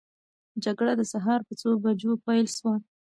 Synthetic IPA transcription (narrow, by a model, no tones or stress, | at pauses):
d͡ʒaɡɽad̪əsaɦɑɾpət͡sobad͡ʒopajlʃwa